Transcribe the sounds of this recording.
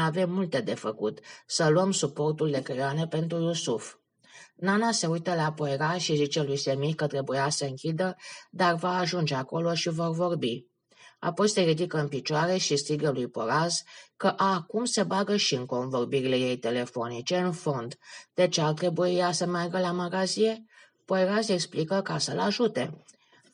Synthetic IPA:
ave̞mːult̪e̞d̪e̞fəkut̪səluəmsupo̞rt̪uld̪e̞kɾeoane̞pe̞nt̪ɾujusuf | nanase̞ujt̪əlapo̞eɾaʃizit͡ʃe̞lujse̞mikət̪ɾe̞bujasəɨŋkʲid̪əd̪arvaːʒund͡ʒe̞ako̞lo̞ʃivo̞rvo̞rbi | a̰po̞jse̞ɾid̪ikəɨnpit͡ʃoaɾe̞ʃist̪iɡəlujpo̞ɾazkəʔakumsebaɡəʃiɨŋko̞nvo̞rbiɾile̞je̞jt̪e̞le̞fo̞nit͡ʃe̞ɨnfo̞nd̪d̪̥e̞t͡ʃeart̪ɾe̞bujasəmarɡəlamaɡazie | po̞jɾaze̞ksplikəkasəlaʒut̪e̞

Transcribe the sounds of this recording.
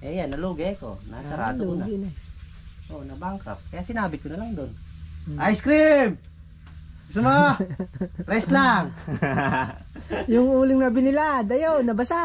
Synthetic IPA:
ʔɛjanːɐluɡɐɐko̰nasɐɾaːt̪ːnaɡɪn | ʔonɐbaŋkɾa̰p̚kɐjaːsɪnaːbɪkonɐlaŋd̪onʔajskɾim | sʊmo | pɾɛslaŋ | jʊŋuːlɪŋnɐbɪnɪlad̪ɐjonɐbɐsa

